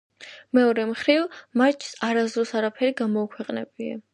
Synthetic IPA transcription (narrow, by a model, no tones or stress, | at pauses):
mɛɔɾɛmχɾivmaɾt͡ʃʰsaɾazd̪ɾɔsaɾapʰɛɾiɡamɔːkʰwɛqʼnɛ̰bia̰